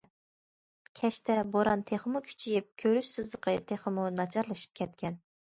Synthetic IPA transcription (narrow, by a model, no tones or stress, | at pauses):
kʲʰɛʃt̪ɛboɾɑnt̪ʰeχəmukʲʰy̥t͡ʃʰijip̚kʲʰøɾyʃsɨzlˠəqʰət̪ʰeχəmunɑt͡ʃʰɑɾlˠɨʃɨ̥p̚kʲʰɛt̪̚kʲʰɛn